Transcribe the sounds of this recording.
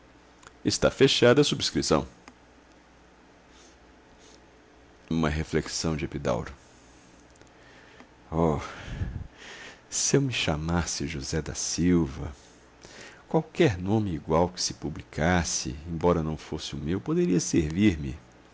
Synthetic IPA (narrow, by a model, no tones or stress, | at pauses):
ɪst̪a̰feʃad̪ɐsubiskɾisɐ̰̃w̃ | ũmɐɦefleksɐ̃w̃d͡ʒɪepid̪a̰wɾʊ | ɔ | sɪewmɪʃamasɪʒuzɛd̪ɐ̰siwvɐ̰ | kwawkɛɾnõmɪiɡwawkɪ̥sɪpublikʰasɪ̰ẽbɔɾɐnɐ̃w̃fosɪʊmewpod̪eɾiɐseɾviɾmɪ̰